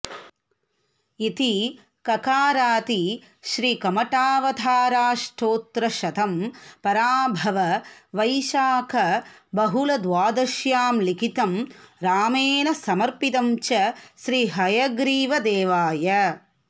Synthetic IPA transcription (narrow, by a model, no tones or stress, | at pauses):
it̪i | kɐkaːɾaːt̪i | ʃɾiːkɐmɐʈaːʋɐd̪ʱaːɾaːʂʈʰoːt̪ɾɐʃɐt̪ʰɐmpɐɾaːbʱɐʋɐʋɐjʃaːkʰɐbɐɦulɐd̪ʋaːd̪ɐʃjaːmlikʰit̪ɐmɾaːmeːnɐsɐmɐɾpid̪ɐmt͡ʃɐʃɾiːɦɐjɐɡɾiːʋɐd̪eːʋaːjɐ